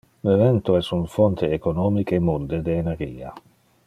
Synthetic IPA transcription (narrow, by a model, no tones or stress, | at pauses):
levɛnt̪oɛsuɱfɔnt̪eːkonɔːmikemːund̪ed̪eːnerɡḭːa̰